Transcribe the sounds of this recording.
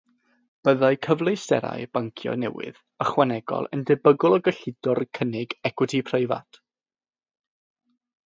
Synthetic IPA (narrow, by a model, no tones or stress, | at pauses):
b̥əðajkʰəvlˠejsɛ̰ɾa̰jb̥aŋkʰjɔ̰nɛ̰wɪ̰ð | əχwanɛɡɔ̰lˠə̰ndɛbəɡʊlˠɔɡəɬɪdɔrkʰənɪɡɛkʰʊtʰipʰrejva̰tʰ